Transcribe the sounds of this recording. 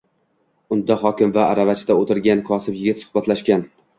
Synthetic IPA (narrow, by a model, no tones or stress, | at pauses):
ʊnd̪aχɒkʲɪmvaːɾavat͡ʃʰd̪aot̪ʰɪɾɡʲankʰɒsɪpjɪɡʲɪt̪sʊ̥hbat̪ʰlaʃkʲan